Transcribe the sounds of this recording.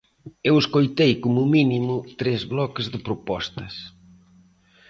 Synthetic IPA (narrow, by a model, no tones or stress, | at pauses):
eweskojt̪ejkomʊminimʊt̪ɾezβlɔkɪzðɪpɾopɔst̪ɐs